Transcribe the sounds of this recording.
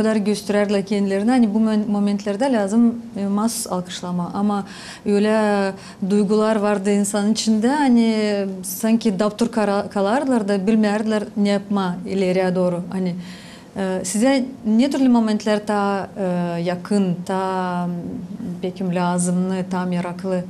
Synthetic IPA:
kʰad̪aɾɟø̞st̪ʰyɾæɾd̪lʲæɾcʰend̪ilʲeɾinhanibumo̞ment̪ʰlʲeɾd̪ɛlʲaːzɯmmasu̥salˠkʰɯ̥ʃlˠamaʔama | bøjlʲɛ | d̪ujɡulˠaɾvaɾd̪ɯinsanɯnit͡ʃʰind̪ɛanisaɲcʰid̪abt̪ʰuɾkʰkʰalˠaɾd̪lˠaɾd̪abilʲmejæɾd̪lˠaɾnʲejɑpmɑilʲeɾæd̪oːɾuanɪ | sizd̪ɛnʲet̪ʰyɾlʲymo̞mʲe̞nt̪lʲæɾt̪ʰɑː | jɑqɯnt̪ʰɑː | pejkʲimlʲaːzɯmnɯt̪ʰɑmjɑɾɑqlˠɯ

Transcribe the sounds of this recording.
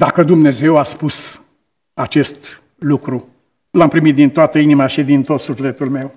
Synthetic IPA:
d̪akəd̪umne̞ze̞waspus | at͡ʃe̞st̪ | lukɾu | lampɾimit̪̚d̪int̪oat̪əinimaʃid̪int̪o̞t̪sufle̞t̪ulme̞w

